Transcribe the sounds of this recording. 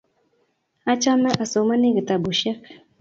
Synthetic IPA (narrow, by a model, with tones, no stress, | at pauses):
a˦t͡ʃa˦mə˦ʔa˨so˨ma˦ni˦ɡə˨t̪a˨bu˨ʃe˦k